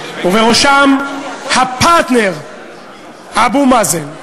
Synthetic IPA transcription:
uveʁoʃamhapat̪neʁ | abumazen

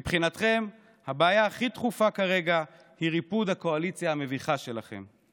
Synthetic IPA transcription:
mipχinat̪χe̞m | habaːjaːχit̪χufakaʁe̞ɡa | hiʁipud̪hako̞alit͡sjaame̞viχaʃe̞laχe̞̰m

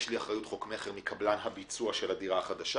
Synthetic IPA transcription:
ʃliaχʁajutχo̞kmeχeʁmikʰablanɦabit͡suaʃe̞lhadiʁaːχad̪aʃa

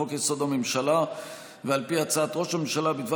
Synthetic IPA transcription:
okjeso̞d̪amemʃala | vealpiat͡saːt̪ʁo̞ʃamemʃalabid̪va

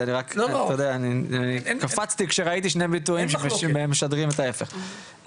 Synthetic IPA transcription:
aniʁakt̪ojod̪eaːnianikafat͡st̪ikʃeʁait̪iʃne̞bit̪uimʃembeemːeʃad̪ʁimet̪ae̞feχ

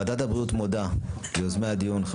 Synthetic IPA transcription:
ad̪at̪abɾut̪mod̪a | ozmead̪iunχ

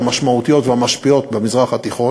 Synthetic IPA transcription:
amaʃmaut̪ijo̞t̪vehamaʃpio̞t̪bemizʁaχat̪iχo̞

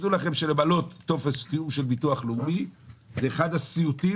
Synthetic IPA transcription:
d̪ulaχe̞mʃelebalo̞t̪ːo̞fest̪ijumʃe̞lbituaχlubizeːχad̪hasiut̪i

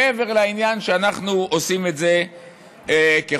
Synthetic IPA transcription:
eve̞ʁlainjanʃeanaχnuʔosimetze̞ | ke

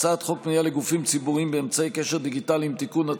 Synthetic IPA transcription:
t͡sat̪χɔk̚mijalɪɡufimt͡sibuʁimbɪɛmt͡saejkɛʃɛʁd̪iɡitaliimt̪ikuna

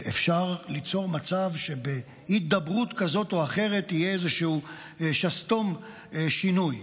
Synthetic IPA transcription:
ʔḛfʃaʁlit͡so̞ʁmat͡savʃe̞be | hit̪̚d̪abʁutkazo̞t̪oaχe̞ʁe̞t̪ijeezeʃuu | ʃast̪o̞m | ʃinuj

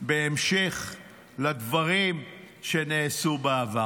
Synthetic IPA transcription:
beemʃeχ | lad̪vaʁim | ʃeneːsubeava

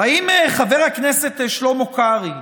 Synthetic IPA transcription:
haimeχave̞ʁhakneset̪ʃlo̞mokaʁi

